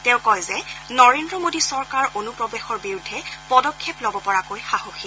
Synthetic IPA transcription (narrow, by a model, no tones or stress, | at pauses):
tɛʊ̃kɔjzɛnɔɹendɹɔmodisɔɹkaɹonupɹɔbexɔɹbiɹudʱːɛpɔdɔkʰːeplɔbɔpɔɹakojxahoxi